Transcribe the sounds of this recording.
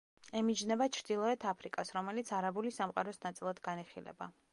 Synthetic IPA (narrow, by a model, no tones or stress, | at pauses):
ɛmid͡ʒnɛbat͡ʃʰɾd̪ilˠɔɛt̪ʰapʰɾikʼasɾɔmɛlit̪sʰaɾabulisamqʼa̰ɾɔsnat̪sʼilˠad̪ɡaniχilɛ̰ba